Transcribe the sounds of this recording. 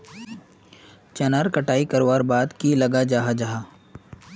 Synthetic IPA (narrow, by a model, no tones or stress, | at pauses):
t͡ʃɐnaːɾkɐʈaːikɐɾʋaːɾbaːd̪kilɐɡad͡ʒaːɦad͡ʒaɦaː